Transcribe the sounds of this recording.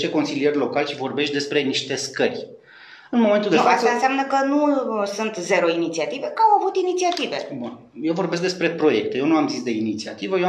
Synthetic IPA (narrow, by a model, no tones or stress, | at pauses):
t̪eko̞nsilijerʲlo̞kalʲʃivo̞rbe̞ʃt̪̚ʲd̪e̞spɾe̞niʃt̪e̞skərʲ | ɨnmoment̪uld̪efaəaɨnsʲeamnəkənusunt̪ze̞ɾoinit̪siat̪ive̞kawavut̪init̪siat̪ive̞̰bun | jewvo̞rbe̞s̬k̚d̪e̞spɾe̞pɾo̞je̞k̚t̪e̞jewnuamzisd̪e̞init̪siat̪ivəje